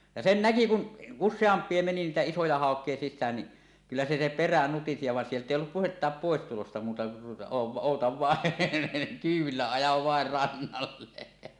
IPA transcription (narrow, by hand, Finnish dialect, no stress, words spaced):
jɑ sen næki kun usːeɑmpˑie meni niːtæ isojɑ hɑˑokˑie sisːæːn ni kylːæ se se peræ nutisi jɑ ʋɑˑen sieltˑ eˑi olːup puhetːɑːp poˑestulostɑ muːtɑ o oˑutɑʋ ʋɑˑen kyːw̆ʋilːæ ɑjɑʋ ʋɑer rɑnːɑlːe